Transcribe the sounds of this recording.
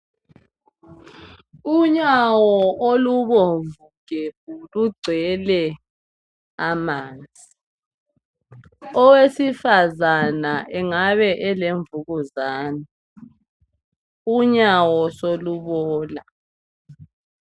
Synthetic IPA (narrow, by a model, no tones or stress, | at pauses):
uɲawɔʔoluβɔvuɡ̥ʱeβ̚uluɡ͡ǀʱɛlɛ | amaːnd͡zʱi | ɔwesifazanaʔɛŋaβɛʔɛleɱvuɣuzaːnɔ | uɲawɔsoluβɔːla